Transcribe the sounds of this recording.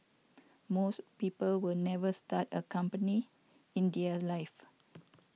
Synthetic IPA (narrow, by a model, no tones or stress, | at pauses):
mospiːpəlwilnɛvəstatəkãmpəni | ĩndiəlaɪf